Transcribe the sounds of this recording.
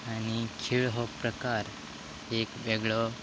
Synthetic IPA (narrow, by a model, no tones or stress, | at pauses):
anikʰiɭɦopɾəkaɾ | ekbeɡɭɔ